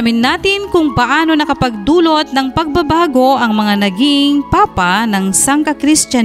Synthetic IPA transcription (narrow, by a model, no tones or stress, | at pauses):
mɪnːaːt̪ɪnkʊŋpɐʔaːno̞nɐkɐpɐɡ̚d̪uːlot̪̚nɐŋpɐɡ̚bɐbaːɡo̞ʔɐŋmɐŋanɐɡɪŋpaːpanɐŋsaŋkɐkɾɪst̪a